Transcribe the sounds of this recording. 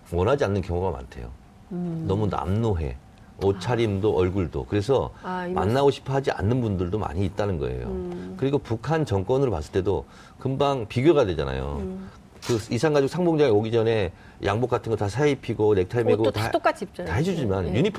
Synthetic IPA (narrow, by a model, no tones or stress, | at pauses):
mwʌnɦad͡ʑianːɯnkjʌŋoɡama̰ntʰe̞jo̰ | nʌmuna̰mnoɦe̞̰ | ot͡ɕʰaɾimdoʔʌɭɡuɭdo̰kɯɾe̞sʰʌma̰nːaɡoɕʰi̥pʰʌɦad͡ʑiʔa̰nːɯnbundɯɭdoma̰ɲiːt̚t͈anɯnɡʌ̰e̞̰jo̰kɯɾiɡopukʰant͡ɕʌŋk͈wʌnɯɾopa̰s͈ɯɭt͈e̞do | kɯmbaŋpiɡjoɣadwe̞d͡ʑa̰na̰jo̰ | kɯisʰaŋɡad͡ʑok̚sʰaŋboŋd͡ʑaŋeoɡid͡ʑʌne̞ | jʔaŋbok͈atʰɯnŋɡʌtasʰaipʰiɡone̞k̚tʰaimeɡott͈ok͈ad͡ʑ̚ʰt͡ɕtaɦed͡ʑud͡ʑimanjuɲipʰ